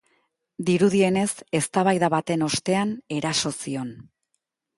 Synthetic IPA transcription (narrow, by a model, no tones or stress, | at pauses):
d̪iɾuð̞ie̞ne̞se̞st̪aβajðaβat̪e̞no̞st̪e̞ane̞ɾaso̞sio̞n